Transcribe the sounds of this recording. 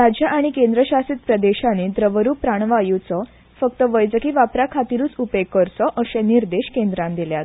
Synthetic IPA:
ɾad͡ʑjaʔaɽ̃ikẽnd̪ɾəɕasiːt̪̚pɾəd̪eɕaned̪ɾəʋəɾupɾaɳ̃ʋajut͡sɔ | fək̚t̪əʋəjd͡zəkiːʋapɾakʰat̪iɾuːt͡supekːəɾsɔʔəɕẽniɾd̪eɕkend̪ɾãnd̪iljat̪

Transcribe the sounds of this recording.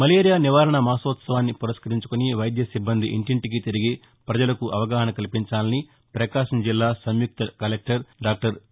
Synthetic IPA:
mɐleːɾijaːniʋaːɾɐɳɐmaːsɐʋɐt̪sɐʋaːnːipuɾɐʃkɐɾiɲt͡ʃukoniʋɐjd̪jɐsibːɐnd̪iʔḭɳʈiɳʈik̬it̪iɾiɡi | pɾɐd͡ʒɐlɐkuʔɐʋɐɡaːɦɐɳɐkɐlipiɲt͡ʃaːlɐni | pɾɐkaːʃɐmd͡ʒilːaːsɐmjuk̚t̪ɐkɐlek̚ʈɐɾɖaːk̚ʈɐɾ

